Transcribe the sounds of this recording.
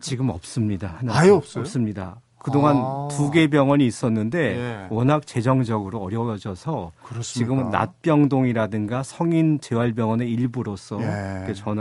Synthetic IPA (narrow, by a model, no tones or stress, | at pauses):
t͡ɕiɡɯmʌp̚s͈ɯmɲidahanʌps͈ɯmɲida̰ | kɯdoŋantuɡe̞bjʌŋwʌɲiːs͈ʌnːɯnde̞wʌnɦak̚t͡ɕe̞d͡ʑʌŋd͡ʑʌɡɯɾoʌɾjʌd͡ʑʌsʰʌkt͡ɕiɡɯmna̰t̚p͈jʌŋdoŋiɾadɯŋɡasʰʌŋint͡ɕe̞waɭbjʌŋwʌne̞iɭbuɾos͈ʰʌikʰet͡ɕʌn